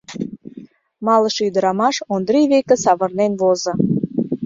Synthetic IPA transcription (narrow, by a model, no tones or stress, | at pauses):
mɑləʃyd̪əɾɑmɑʃond̪ɾiβekĕsɑβə̆rnenβozɤ̆